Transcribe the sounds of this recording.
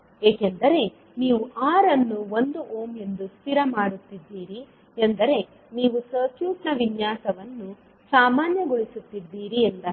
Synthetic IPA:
e̞ːkend̪ɐɾe̞ | niːʋuʔaːɾɐnːuo̞nd̪uʔoːme̞nd̪ust̪ʰiɾɐmaːɽut̪ːid̪ːiːɾi | end̪ɐɾe̞ | niːʋusɐt͡ʃjuːʈnɐʋinjaːsɐʋɐnːu | saːmaːnjɐɡoɭisut̪ːid̪ːiːɾiend̪ɐ

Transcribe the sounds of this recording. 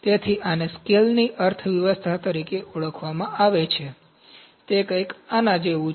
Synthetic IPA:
t̪et̪ʰiʔaneskelniʔəɾt̪ʰəʋjəʋəst̪ʰat̪əɾikeʔuɭəkʰʋamãʔaʋet͡ʃʰe | t̪ekə̃jkanãd͡ʒeʋũ

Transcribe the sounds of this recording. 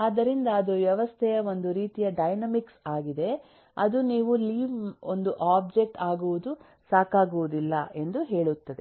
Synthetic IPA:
aːd̪ɐɾind̪ɐːd̪uʋjɐʋɐst̪ʰɛjɐo̞nd̪uɾiːt̪ijɐɖɐjnɐmiksaːɡid̪e̞ | ɐd̪uniːʋuliːʋond̪uʔaːb̚d͡ʒe̞k̚ʈaːɡuʋud̪u | saːkaːɡuʋud̪ilːɐʔe̞nd̪uɦe̞ːɭut̪ːɐd̪e̞

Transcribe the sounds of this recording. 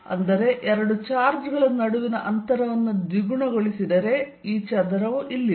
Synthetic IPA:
ɐ̰nd̪ɐɾe̞ʔeɾɐɽut͡ʃaːɾd͡ʒɡɐɭɐnːɐɽuʋinɐʔɐnt̪ɐɾɐʋɐnːud̪ʋiɡuɳɐɡoɭisid̪ɐɾe̞ | iːt͡ʃɐd̪ɐɾɐʋuʔilːi

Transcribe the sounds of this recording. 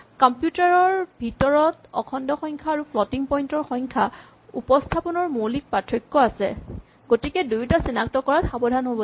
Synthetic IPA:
kɔmpjutaɹɔɹbʱitɔɹɔtɔ̰kʰɔndɔxɔjŋkʰaːɹupʰlɔtiŋpɔjntɔɹxɔjŋkʰa | upɔstʰapɔnɔɹmolik̚patʰɹɔkːɔasɛ̰ | ɡotikɛdujtasinak̚tɔkɔɹatxabɔdʱanɦobɔ

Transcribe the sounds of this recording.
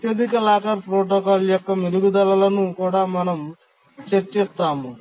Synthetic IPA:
t̪jeːd̪ikɐlaːkɐɾpɾoːʈ̬okaːljɔkːɐmiɾuɡud̪ɐlɐlɐnukuːɽaːmɐnɐm | t͡ʃeɾt͡ʃːist̪ːaːmu

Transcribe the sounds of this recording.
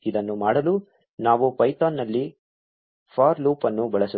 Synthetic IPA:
id̪ɐnːumaːɽɐlu | naːʋupɐjt̪aːnːɐlːi | pʰaːɾluːpɐnːubɐɭɐsɐ

